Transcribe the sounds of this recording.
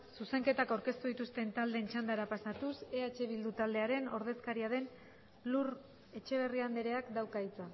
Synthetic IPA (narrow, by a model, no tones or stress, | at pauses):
suse̞ŋke̞t̪akawɾke̞st̪uðit̪ust̪e̞nt̪ald̪e̞ːnt͡ʃand̪aɾapasat̪use̞at͡ʃe̞β̞ild̪ut̪ald̪e̞aɾe̞no̞ɾð̞e̞skaɾiaðe̞n | lur | e̞t͡ʃe̞β̞e̞riand̪eɾe̞akd̪awkait͡sa